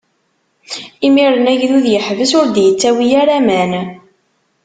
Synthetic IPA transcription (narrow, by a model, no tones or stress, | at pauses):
imiɾənæʝðuðjəħvəsʊɾd̪jət͡sːæwijæɾæmæn